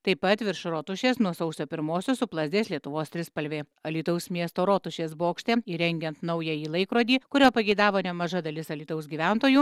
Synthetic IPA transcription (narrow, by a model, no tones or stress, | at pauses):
t̪ɐɪpɐt̪ʋʲɪɾʃɾoːt̪ʊʃʲeːsnuɔsɐʊsʲoːpʲɪɾmoːsʲʊsʊplˠɐzʲd̪ʲeːslʲiɛt̪ʊʋoːst̪ʲɾʲɪspɐlʲʋʲeː | ɐlʲiːt̪ɐʊsmʲiɛst̪oːɾoːt̪ʊʃʲeːsboːkʃʲt̪ʲeːiːɾʲɛŋʲɡʲɛnt̪nɐʊjɛiːlˠɐɪkɾoːd̪ʲiːkʊɾʲoːpɐɡʲɛɪd̪ɑːʋoːnʲɛmɐʒɐd̪ɐlʲɪsɐlʲiːt̪ɐʊsʲɡʲiːʋʲænt̪oːjuː